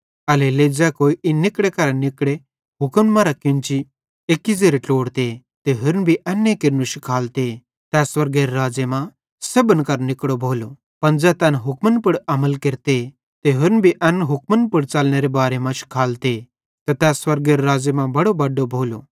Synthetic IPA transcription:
ɐleled͡zɛːkoːiʔɪnːɪkɽekɐɾanɪkɽe | ɦʊkənmɐɾakjʊ̃nt͡ʃi | ekːid͡zeːɾeʈoːɽt̪e | t̪eɦʊɾnbʱiʔɐnːekɪɾnuʃi̥kʰaːlt̪e | t̪ɛːswɐɾɡeɾɾaːd͡zemã | sebənkɐɾnɪkɽobʱoːlo | pɐnd͡zɛːt̪ɛnɦʊkmənpʊɽɐməlkɪɾt̪e | t̪eɦʊɾnbʱiʔɐnɦʊkmənpʊɽt͡sɐlñeɾebaːɾemãʃkʰaːlt̪e | t̪ɐt̪ɛːswɐɾɡeɾɾaːd͡zemãbɐɽobɐɖːobʱoːlo

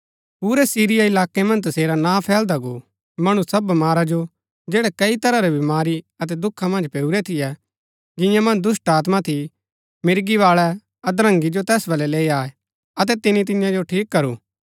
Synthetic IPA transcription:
puːɾɛsiːɾɪjaɪlaːkɛmɐ̃nd͡ʒt̪ɐseːɾanaːpʰɛːld̪aɡo | mɐɽ̃ũsɐbmaːɾad͡ʒo | d͡ʒeːɽɛkɐit̪ɐɾaɾɛbɪmaːɾi | ɐt̪ɛd̪ʊkʰːamɐ̃nd͡ʒpeːuɾɛt̪ʰɪjɛ | d͡ʒɪ̃jãmɐ̃nd͡ʒd̪ʊsʈaːt̪mat̪ʰi | mɪɾɡiʋaːɭɛ | ɐd̪ɾə̃ŋɡid͡ʒot̪ɛːsbɐlɛleːiaːɛ | ɐt̪̬ɛt̪ɪnit̪̬ɪ̃jãd͡ʒoʈʰiːkːɐɾṵː

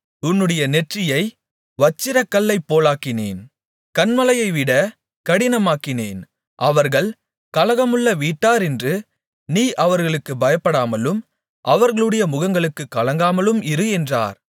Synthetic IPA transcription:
ʊnːɯɽɐjɐnɛʈrɪjɐɪ | ʋɐt͡ʃːɪɾɐkːɐlːɐɪpːoːlaːkɪnḛːn | kɐnmɐlɐjɐɪʋɪɽɐ | kɐɽɪnɐmaːkɪneːn | ʔɐʋɐɾɣɐɭ | kɐlɐɣɐmɯɭːɐʋiːʈːaːɾɛndrɯ | niːʔɐʋɐɾɣɐɭɯkːɯbɐjɐpːɐɽaːmɐlɯm | ʔɐʋɐɾɣɐɭɯɽɐjɐmʊɣɐŋɡɐɭɯkːɯkːɐlɐŋɡaːmɐlɯmɪɾɯɛndra̰ːɾ

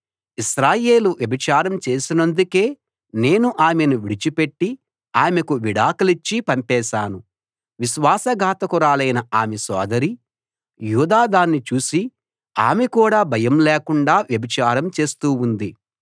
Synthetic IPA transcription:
iʃɾaːje̞ːluʋjɐbʱit͡ʃaːɾɐmt͡ʃe̞ːsinɐnd̪uke̞ː | ne̞ːnuʔaːmenuʋiɽit͡ʃipeʈːi | aːmekuʋiɽaːkɐlit͡ʃːipɐmpɛːʃaːnu | ʋiʃʋaːsɐɡʱaːt̪ɐkuɾaːlɐjnɐaːmesɔ̰ːd̪ɐɾi | juːd̪aːd̪aːnːit͡ʃuːsi | a̰ːmekuːɽaːbʱɐjɐmlɛːkuɳɖaːʋjɐbʱit͡ʃaːɾɐmt͡ʃe̞ːst̪uːund̪i

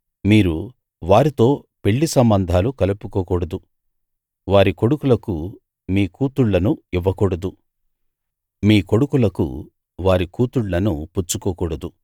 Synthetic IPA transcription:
miːɾu | ʋaːɾit̪o̞ː | pe̞ɭːisɐmbɐnd̪ʱaːlukɐlupukoːkɔɽɐd̪u | ʋaːɾiko̞ɽukulɐku | miːkuːt̪uɭːɐnuiʋːɐkɔɽɐd̪u | miːko̞ɽukulɐkṵ | ʋaːɾikuːt̪uɭːɐnuput͡ʃːukoːkɔɽɐd̪u

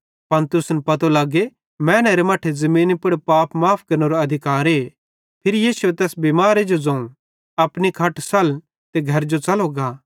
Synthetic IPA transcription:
pɐnt̪ɾʊsnpɐt̪olaːɡe | mɛ̃ːneɾemɐʈʰezɐmĩːnpɐɽpaːpmaːpʰkɐɾnoɾoɐd̪ʱɪkaːɾɦeː | pʰɪɾijiːsuet̪ɛːsbimaːɾed͡ʒod͡zɐ̃ːũ | ɐpnikʰɐʈsɐl | t̪eɡʱɐɾd͡ʒot͡sɐloɡaː

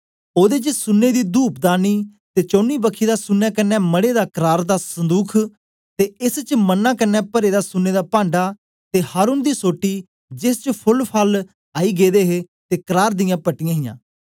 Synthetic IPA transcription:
oːd̪eːt͡ʃəsʊnːeːd̪iːd̪uːpd̪aːniːt̪eːt͡ʃõːniːbəkʰːiːd̪aːsʊnːaːkɪnɛːməɽeːd̪aːkəɾaːɾd̪aːsənd̪uːkʰ | t̪eːɪst͡ʃmənːãːkɪnːɛːpəɾeːd̪aːsʊnːeːd̪aːpãːɳɖaː | t̪eːhaːɾuːnd̪iːsoːʈːiː | d͡ʒɪst͡ʃəpʰʊlpʰaːl | aːiːɡeːd̪eːɦeː | t̪eːkəɾaːɾd̪ɪjãːpəʈɪjãːɦɪjã̰ː

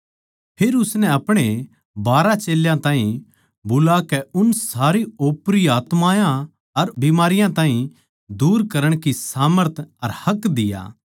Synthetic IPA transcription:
pʰeːɾʊsnɛɐpɽ̃e | baːɾat͡ʃeːljãt̪ãːɦĩ | bʊlakɛʊnsaːɾioːpɾiaːt̪maːjã | ɐɾbimaːɾɪjãt̪ãːɦĩ | d̪uːɾkɐɾəɽ̃kisaːməɾt̪ʰɐɾhɐkːd̪ɪja̰ː

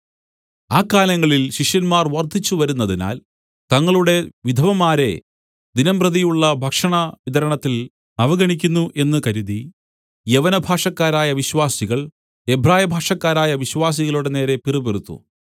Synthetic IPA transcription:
aːkːaːlɐŋːɐɭilɕiʂjɐnmaːrʋɐrd̪ʱit͡ɕːuʋɐɾunːɐðina̰ːl | t̪ɐŋːɐɭuɽe̞ʋid̪ʱɐʋɐmaːɾe̞̰ | d̪inɐmprɐðijuɭːɐbʱɐkʂɐɳɐʋid̪ʱɐɾɐɳɐt̪ːil | nɐʋɐɣɐɳikʲːunːuʔe̞nːɨkɐɾuði | jeʋɐnɐbʱaːʂɐkːaːɾaːjɐʋiɕwaːsiɣɐɭ | ebʱraːjɐbʱaːʂɐkːaːɾaːjɐʋiɕʋaːs̬iɣɐɭuɽe̞ne̞ːɾe̞pirɨperut̪ːṵ

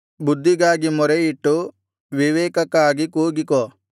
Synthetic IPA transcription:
bud̪ːiɡaːɡimɔɾejiʈːu | ʋiʋeːkɐkaːɡikuːɡiko

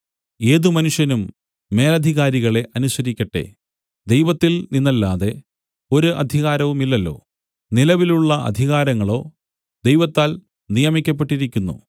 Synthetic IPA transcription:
e̞ːðumɐnuʂjɐnumː | e̞ːlɐd̪ʱiɣaːɾiɣɐɭe̞ʔɐnusɐɾikʲːɐʈːe̞̰ | d̪e̞jʋɐt̪ːilninːɐlːaːðe̞ | o̞ɾuʔɐ̰d̪ʱiɣaːɾɐʋumilːɐlːo̞̰ː | nilɐʋiluɭːɐɐ̰d̪ʱiɣaːɾɐŋːɐɭo̞ː | d̪ejʋɐt̪ːaːl | nijɐmikʲːɐp̬ːe̞ʈːiɾikʲːunːṵ

